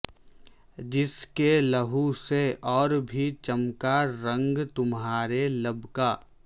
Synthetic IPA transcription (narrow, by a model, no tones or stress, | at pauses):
d͡ʒɪskeləɦuseʔɔːɾbʱit͡ʃəmkaɾə̃ŋɡt̪ʊmɦaːɾelɐbʱkaː